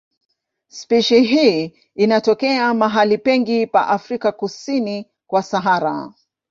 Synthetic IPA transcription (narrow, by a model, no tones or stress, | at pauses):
spiʃiɦiː | inatɔkɛamaɦalipɛŋɡipa̰ʔafɾikakusini | kwasaɦaɾa̰